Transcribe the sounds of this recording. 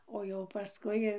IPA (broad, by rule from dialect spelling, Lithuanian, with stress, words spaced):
oː jɛʊ pɐˈskʊɪ